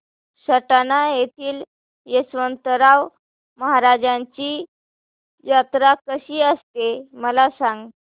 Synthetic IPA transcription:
səʈanajet̪ʰiːl | jesʋənt̪əɾaw | məɦaɾad͡ʑaɲt͡ɕiː | jat̪ɾakəɕiːəst̪eməlasãŋɡ

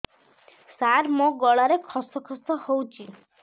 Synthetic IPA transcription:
saɾmoɡɔɭaɾekʰɔsɔkʰɔsɔhowt͡ʃʰi

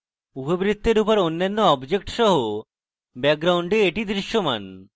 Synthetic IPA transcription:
upobɾit̪ʰːeɾupoɾonːanːoɔbd͡ʑek̚ʈʃɔɦo | bɛk̚ɡɾawɳɖeeʈid̪ɾiʃːoma̰n

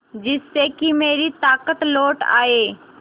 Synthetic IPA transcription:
d͡ʒɪsːekimeːɾit̪aːkət̪loːʈa̰ːeː

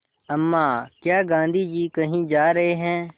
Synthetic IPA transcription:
ɐmːaːkjaːɡãːnd̪ʱid͡ʒiːkɐɦĩːd͡ʒaːɾɐɦeɦɛ̃ː

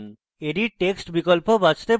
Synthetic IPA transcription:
n | eɾiʈeksʈbikolpobad͡ʑt̪e

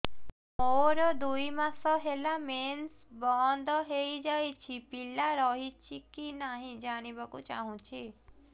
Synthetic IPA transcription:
moɾɔd̪uimasɔɦelamens | bɔnd̪ʱɔɦejd͡ʒajt͡ʃʰipilːaɾɔɦit͡ʃʰikinaɦĩd͡ʒañibɔkũt͡ʃa̰ɦũt͡ʃʰi

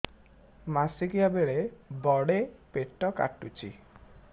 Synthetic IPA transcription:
masiɡijabeɭebɔɽepeʈɔka̰ʈut͡ʃʰḭ

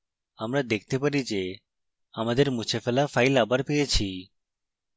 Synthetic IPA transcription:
amɾad̪ek̚ʰt̪epaɾid͡ʑe | amad̪eɾmut͡ɕʰefelafajlabaɾpejet͡ɕʰi

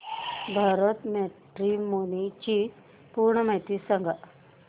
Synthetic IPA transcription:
bʱaɾət̪meʈɾimonit͡ɕi | puɾɳəmaɦjt̪isəŋɡʱa

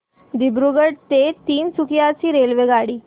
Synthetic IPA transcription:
d̪ibɾuɡəɽt̪et̪iːnsukjat͡ɕiːɾelʋeɡaɽiː

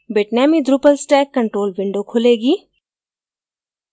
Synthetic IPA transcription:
beʈnɛːmid̪ɾupəlsʈɛːkːə̃ɳʈɾoːlbɪ̃ɳɖokʰʊleːɡiː

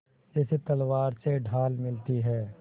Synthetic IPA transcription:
d͡ʒɛset̪ɐlwaːɾseɖʱaːlmɪlt̪iɦɛː

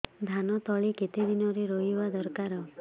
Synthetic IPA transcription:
d̪ʱanɔt̪ɔɭiket̪ed̪inɔɾeɾɔɦibad̪ɔɾkaɾɔ

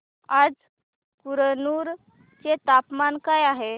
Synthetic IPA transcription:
ad͡z | puɾənuːɾ | t͡ɕet̪apmankajaɦe

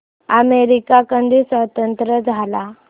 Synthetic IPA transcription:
əmeɾikakə̃nd̪isʋət̪ənt̪ɾəd͡zʱala

